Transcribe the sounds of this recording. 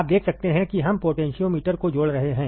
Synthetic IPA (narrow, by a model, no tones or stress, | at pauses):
p̚d̪eːkʰsɐk̚t̪eɦɛ̃kiɦɐmpoːʈɛ̃ːnʃiõmiːʈəɾkod͡ʒoːɽɾɐɦeɦɛ̃ː